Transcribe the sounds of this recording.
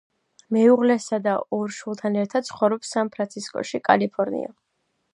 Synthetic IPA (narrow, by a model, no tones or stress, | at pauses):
mɛuʁlɛsad̪aɔɾʃulˠt̪ʰanɛɾt̪ʰad̪̥̚tsʰχɔvɾɔpsanpʰɾant̪sʰiskʼɔ̰ʃikʼa̰lipʰɔɾnḭa̰